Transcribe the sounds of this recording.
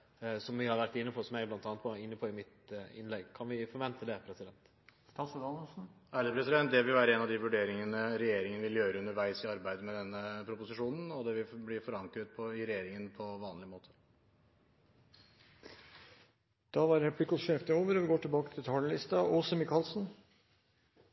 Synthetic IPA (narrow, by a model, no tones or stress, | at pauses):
sɔmʋɪhɑɾʋæʈːɪnːəpʰɔsɔmæɪblɑnt̪ɑːnət̪̚pɔɪnːəpʰɔɪmɪt̪ɪ̰nlɛɡkʰɑnʋɪfɔɾʋɛnt̪əd̪ɛpʰɾɛsɪd̪ɛnt̪ | st̪ɑsd̪ɑnlsn̩æːɖəpʰɾɛsɪd̪ɛnt̪̚d̪ɛʋɪlʋæːɾəɛnɑʋd̪ɪʋʉɖeːɾɪŋənəɾɛjeːɾɪŋənəʋɪljøːɾəʉnəɾʋæɪsɪɑɾbæɪd̪əmɛd̪ɛnːəpʰɾʊpʊsɪʂuːnn̩ɔd̪ɛʋɪlblɪfɔɾɑŋkɾət̪̚pʰɔɪɾɛjeːɾɪŋənpʰɔʋɑːnlɪmoːt̪ʰə̥ | d̪̥ɑʋɑɾɾɛpʰlɪkɔʃeːft̪əoːʋəɾɔʋɪɡoːʈʰɪlbɑːkət̪ʰɪlt̪ʰɑːləlɪst̪ɑʔɔːsəmɪkʰɑlsn̩